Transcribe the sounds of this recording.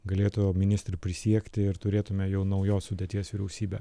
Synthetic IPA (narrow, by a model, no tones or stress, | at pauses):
ɡɐlʲeːt̪ʊjoːmʲɪnʲɪst̪ʲɾʲʊpʲɾʲɪsʲiɛkt̪ʲɪɪɾt̪ʊɾʲeːt̪ʊmʲeːjɛʊnɐʊjoːssʊd̪ʲeːt̪ʲiɛsʋʲɪɾʲɛʊsʲiːbʲɛ